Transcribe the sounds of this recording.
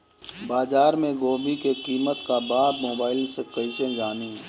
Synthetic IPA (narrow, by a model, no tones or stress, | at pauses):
baːzaːɾmẽɡoːbikeqiːmət̪kabaːb̪moːbaːɪlsekəɪʃəd͡ʒaːniɦɛ̃ː